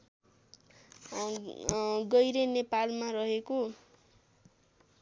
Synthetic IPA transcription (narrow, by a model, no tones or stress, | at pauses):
ɡʌjɾenepalmarʌɦeko